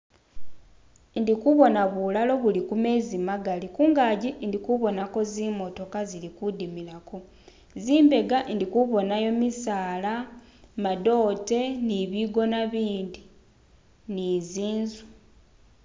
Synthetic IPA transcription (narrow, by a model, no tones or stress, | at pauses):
ndikuβo̞naβulalo̞βulikume̞ːzimaɡalikuːŋɡaːɟindikuβo̞nako̞zimo̞to̞kazilikudimilako̞ | ziːmbe̞ɡandikuβo̞najo̞misaːla | mado̞ːte̞niβiɡo̞naβiːndi | niziːnzu̥